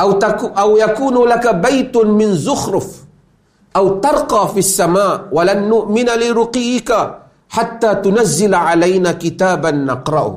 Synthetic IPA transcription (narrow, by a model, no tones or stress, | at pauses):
ʔaaʔawjakuːnlakabajt̪mɪnzʊxɾʊf | ʔawt̪ɑɾˤqɑːfisːamaːʔwalanːʊʔmɪnalɪɾʊqiːɪka | ħat̪ːaːt̪ʊnazːɪlaʕalajnaːkɪt̪aːbanːɑqɾˤɑʔʊ̰h